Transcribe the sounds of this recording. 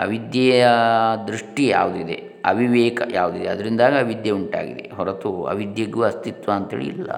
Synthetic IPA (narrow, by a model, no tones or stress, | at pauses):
ɐʋid̪jɐːjjɐd̪ɾuʂʈija̰ːʋud̪uid̪e̞̰ | ɐ̰ʋiʋɛːkɐjʔaːʋud̪id̪eɐd̪ɐɾind̪aːɡɐɐʋid̪jɐuɳʈa̰ːɡḭd̪ḛɦɔɾɐt̪uɐ̰ʋid̪jɐɡuɐst̪it̪ʋaːnt̪ḛːɭḭḭlːɐ̰